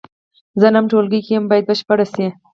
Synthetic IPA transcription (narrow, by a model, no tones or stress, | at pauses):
zənamʈolɡəjkejəmbɑjad̪̚bəʃpəɽasi